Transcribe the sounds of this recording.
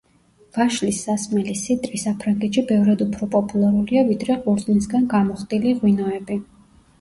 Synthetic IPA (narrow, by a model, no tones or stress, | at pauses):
v̥aʃlisːasmɛlisit̪ʼɾisapʰɾaŋɡɛt̪ʃibɛvɾad̪upʰɾɔpʼɔpʼulˠaɾuliavid̪ɾɛʁuɾznisɡanɡamɔχt̪ʼiliʁwinɔɛbi